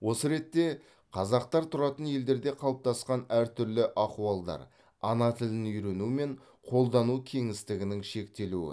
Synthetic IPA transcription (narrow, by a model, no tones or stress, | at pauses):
wo̞səɾe̞t̪ːe̞ | qʰɑzɑq̚t̪ɑɾt̪ʰʊɾɑt̪ənje̞ld̪e̞ɾd̪e̞qʰɑlˠəp̚t̪ɑsqɑnæɾt̪ʰʏɾlɪʔɑquɑlˠd̪ɑ̰ɾ | ɑnɑt̪ʰɪlɪnʏjɾe̞nume̞ɴ | qʰo̞lˠd̪ɑnukʲʰe̞ŋɪst̪ɪɡʲɪnɪŋʃe̞k̚t̪e̞luɪ̰